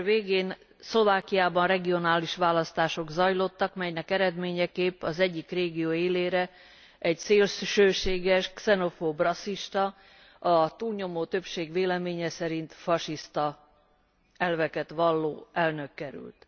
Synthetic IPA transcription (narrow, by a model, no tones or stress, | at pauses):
veːɡeːn | slo̞vaːkijaːbɒnrɛɡio̞naːliʃʋaːlɒst̪aːʃo̞ɡzɒjlo̞t̪ːɒkmɛjnɛkɛɾɛd̪meːɲɛkeːpːɒzɛɟːikreːɡijoːeːleːɾɛ | ɛɟseːlʃʃøːʃeːɡɛʃksɛno̞fobrɒsːiʃt̪ɒ | ɒt̪uːlɲo̞moːt̪ø̞pʃeːɡʋeːlɛmeːɲɛsɛɾint̪fɒʃist̪ɒ | ɛlvɛkɛt̪ʋɒlːoːɛlnø̞kːɛɾy̰lt̪